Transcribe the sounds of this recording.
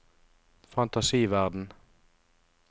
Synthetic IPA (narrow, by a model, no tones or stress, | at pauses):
fɑnt̪ɑsiːʋæʁd̪n̩